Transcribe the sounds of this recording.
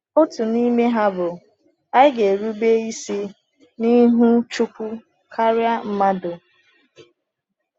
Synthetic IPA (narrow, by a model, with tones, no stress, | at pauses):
o˦tu˨ni˦me˦ɦa˦bʊ˨ | a˦ɪ˦ɡe˨ɾu˦be˦i˦si˦ | ni˦ɦu˦t͡ʃu˦kʷu˦ | kʰa˦ɾja˦m̩˦ma˦do˨